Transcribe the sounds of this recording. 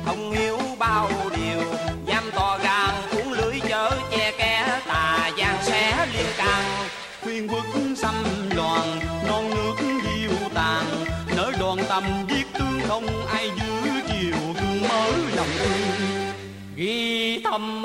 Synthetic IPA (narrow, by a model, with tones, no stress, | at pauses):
hə˧wŋ͡mhi˨˦əwɓaː˧wɗi˨˩əwzaː˧mt̪ɔ˨˩ɣaː˨˩ŋku˨˦ŋ͡mlɨ˨˦əjt͡ɕəː˨˦t͡ɕɛ˧kɛ˨˧˦t̪aː˨˩zaː˧ŋsɛ˧˦li˧ənkaː˨˩ŋ | xwi˧ənkɨ˨˦˥k̚sa˧nlwaː˨˩nnɔ˧˩nːɨ˦˥ək̚ŋzi˧wt̪aː˨˩ŋnəː˨˦jɗwaː˨˩nt̪ə˨˩mzi˦˥ək̚t̪ɨ˨˧˦əŋxə˧wŋ͡mʔaː˧jzɨ˨˦ət͡ɕi˨˩əwhɨ˧˦ŋməː˨˦lə˨˩wŋ͡mʔɨ˧ | ɣi˧t̪ʰə˧m